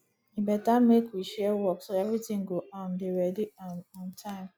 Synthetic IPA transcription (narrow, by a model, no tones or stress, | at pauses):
ĩbɛtãmekwiʃɛwɔksoɛvɹitĩŋɡoʔãndeɹɛdiãnɔ̃ntʰãɪ̃m